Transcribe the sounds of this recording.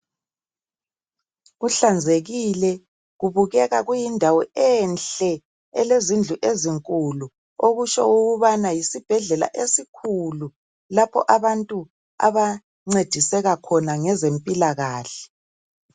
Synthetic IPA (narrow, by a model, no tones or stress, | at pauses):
ɣuɬand͡zʱeɣilɛ | ɣuβuɣɛɣaɣujindʱawɔɛnɬɛ | ɛlezind͡ɮʱuʔeziŋkʼulu | oɣut͡ʃɔ̰uɣuβanajisib̥ʱɛɮɛla̰ʔesikʰulu | lapʰɔ̰ʔaβantʼu | a̰βa | ŋ͡ǀed̥ʱisɛɣakʰɔnaŋɛzempʼilaɣaːɬɛ̥